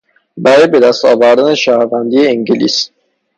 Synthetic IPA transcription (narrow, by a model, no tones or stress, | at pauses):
bæɾɒːjbed̪æst̪ɒːvæɾd̪æneʃæːhɾvænd̪iːeiŋɟelḭːs